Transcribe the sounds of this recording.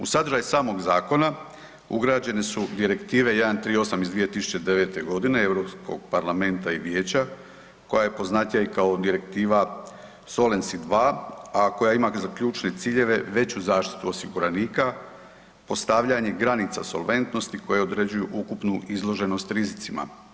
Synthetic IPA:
ṵsad̪ɾ̩ʒajusaːmo̞ɡzaːko̞na | ṵɡɾad͡ʑe̞ne̞sud̪iɾe̞kt̪iːʋe̞je̞d̪ant̪ɾiːo̞samizd̪ʋije̞t̪isu̥t͡ɕe̞d̪e̞ʋe̞ːt̪e̞ɡo̞d̪ine̞ewɾo̞psko̞̰ɡ̚paɾlˠame̞nt̪aiʋje̞ːt͡ɕa | ko̞jajepo̞znaːt̪jaikaod̪iɾe̞kt̪iːʋa | so̞lensid̪ʋaːako̞jaimazakʎuːt͡ʃne̞t̪siːʎe̞ʋe̞ʋe̞t͡ɕuzaːʃt̪i̥t̪uosiɡuɾaniːka | po̞st̪aʋʎaɲe̞ɡɾanit̪sa̰so̞̰lʋe̞nt̪no̞st̪iko̞jeo̞d̪ɾe̞d͡ʑujuʔukupnuizlˠo̞ʒe̞no̞st̪ɾizit̪sima̰

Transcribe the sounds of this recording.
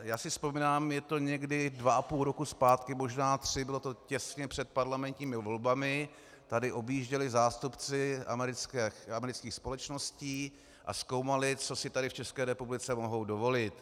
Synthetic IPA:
jaːsɪspomiːnaːmjɛt̪o̞ɲɛɡdɪdvaʔapuːlɾo̞kuspaːt̪kɪmo̞ʒnaːt̪r̝̥ɪbɪlo̞t̪o̞cɛsɲɛpr̝̥ɛt̪̚paɾlamɛnt̪ɲiːmɪvo̞lbamɪ | t̪adɪʔo̞bjiːʒɟɛlɪzaːst̪upt͡sɪʔa̰mɛɾɪt͡skɛxamɛɾɪt͡skiːxspo̞lɛt͡ʃno̞sciː | ʔa̰sko̞wmalɪt͡so̞sɪt̪adɪft͡ʃɛskɛːɾɛpublɪt͡sɛmo̞ɦo̞wdo̞vo̞lɪt̪

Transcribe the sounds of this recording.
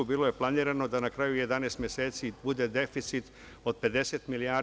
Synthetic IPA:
ubiːloje̞plˠaniːɾano̞d̪anakɾajuje̞d̪aneːst̪mjeseːt̪sibud̪e̞d̪efit̪sit̪ | o̞d̪̚pe̞d̪e̞set̪milijaː

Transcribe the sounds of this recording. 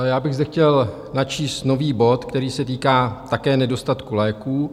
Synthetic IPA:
jaːbɪɣzdɛxcɛl | nat͡ʃiːst̪no̞viːbo̞t̪kt̪ɛɾiːsɛt̪iːkaːt̪akɛːnɛdo̞st̪at̪kulɛːkuː

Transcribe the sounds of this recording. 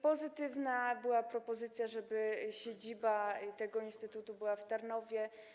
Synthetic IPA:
pɔzɘt̪ɘvnabɘwapɾɔpɔzɘt̪sʲjaʐɛbɘɕed͡ʑibat̪ɛɡɔinst̪ɘt̪ut̪ubɘwaft̪aɾnɔvʲjɛ

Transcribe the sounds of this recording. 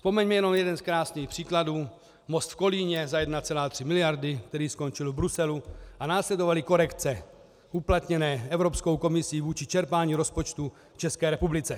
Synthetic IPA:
fspo̞mɛɲmɛjɛno̞mjɛdɛnskɾaːsniːxpr̝̥iːkladuː | most̪fko̞liːɲɛzajɛdnat͡sɛlaːt̪r̥ɪmɪlɪjaɾdɪkt̪ɛɾiːsko̞nt͡ʃɪlvbɾusɛluʔanaːslɛdo̞valɪko̞ɾɛkt͡sɛ | ʔuplat̪ɲɛnɛːɛvɾo̞psko̞wko̞mɪsiːvuːt͡ʃɪt͡ʃɛɾpaːɲiːɾo̞spo̞t͡ʃt̪u | t͡ʃɛskɛːɾɛpublɪt͡sɛ

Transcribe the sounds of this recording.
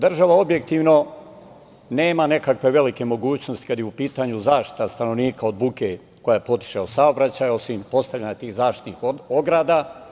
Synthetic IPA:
d̪r̩ʒaʋao̞bje̞k̚t̪iːʋno | ne̞ːmane̞kakʋe̞ʋe̞like̞mo̞ɡuːt͡ɕnost̪i̥kad̪jeupiːt̪aɲuzaːʃt̪i̥t̪ast̪anoʋniːkaod̪̚buke | ko̞jaepo̞t̪i̥ʃaosaobɾat͡ɕaːjo̞simpo̞st̪aʋʎʲaɲat̪iːhzaːfʃt̪i̥t̪niːxoɡɾaːd̪a

